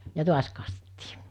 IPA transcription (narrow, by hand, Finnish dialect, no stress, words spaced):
jɑ tuɑs kɑstetːi̥ː